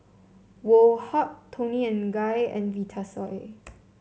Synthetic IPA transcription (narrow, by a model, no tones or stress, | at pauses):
wolhɔttʰːõniɛ̃nɡajɛ̰̃nvitʰasɔe